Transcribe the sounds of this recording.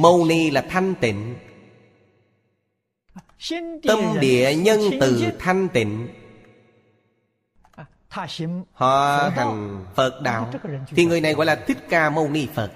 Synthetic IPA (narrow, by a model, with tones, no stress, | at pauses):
mə˧wni˧laː˨˩t̪ʰa˧jŋ̟t̪ḭ̈˧˨ŋ̟ | t̪ə˧mɗḭ˧˨əɲə˧nt̪ɨ˨˩t̪ʰa˧jŋ̟t̪ḭ̈˧˨ŋ̟˧ | hɔ̰˧˨t̪ʰa˨˩jŋ̟fə˨˩t̚ɗa̰ː˧˨w̪ʰi˨˩ŋɨ˨˩əjna˨˩jɣɔ̰˧˦jlaː˨˩t̪ʰï˦˥k̚kaː˧mə˧wni˧fə˨˩t̚